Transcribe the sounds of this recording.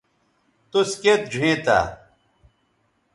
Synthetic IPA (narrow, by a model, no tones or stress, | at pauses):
t̪usket̪̚d͡ʑʱuẽːt̪a̰ː